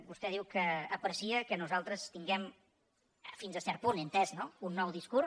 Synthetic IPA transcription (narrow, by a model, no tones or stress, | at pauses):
bust̪ɛð̞iwkəːpɾəsiəkənuzalˠt̪ɾəst̪iŋɡɛm | finzəsɛɾt̪̚punint̪ɛznounːɔwðiskur